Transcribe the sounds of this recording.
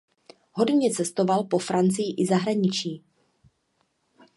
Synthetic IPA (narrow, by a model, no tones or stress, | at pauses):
ɦo̞dɲɛt͡sɛst̪o̞valpo̞fɾant͡sɪjɪʔɪzaɦɾaɲɪt͡ʃiː